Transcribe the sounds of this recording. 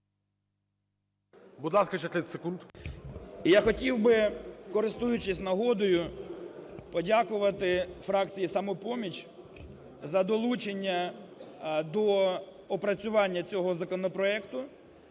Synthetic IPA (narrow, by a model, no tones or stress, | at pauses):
bʊd̪lˠɑskɐt͡ʃɛt̪lʲɪsekund̪ | ijaxɔtʲiwbɪkɔɾɪst̪ujʊt͡ʃɪsʲnɐɦɔd̪ɔjʊ | pɔdʲakʊʋɐt̪ɪfɾɑkt͡sʲijisɐmɔpɔmʲit͡ʃʲ | zɐd̪ɔlˠut͡ʃenʲːɐ | d̪ɔ | ɔpɾɐt͡sʲʊʋɑnʲːɐt͡sʲɔɦɔzɐkɔnɔpɾɔɛkt̪ʊ